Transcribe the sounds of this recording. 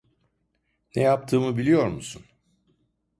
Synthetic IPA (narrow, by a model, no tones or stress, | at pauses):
nɛjap̚t̪ʰɯːmɯbilʲijo̞ɾmusun